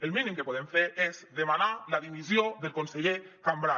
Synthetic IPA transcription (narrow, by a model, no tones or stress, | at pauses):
elˠminĩmkəpoðemfeɾezðemanalaðiβizjoðəlˠkonseʎekambɾa